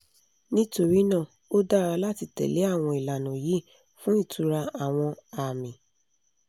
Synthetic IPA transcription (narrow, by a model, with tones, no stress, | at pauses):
nĩ˦to˦ɾi˦nãː˦˨ | o˦da˦˨ɾa˧la˦ti˧tɛ̰˨le˨˦a˦˨w̃ɔ̃˧i˨la˨nũ˨ji˨˦ | fũ˨˦i˦˨tʰu˧ɾa˧a˨w̃ɔ̃˧a˨mĩ˨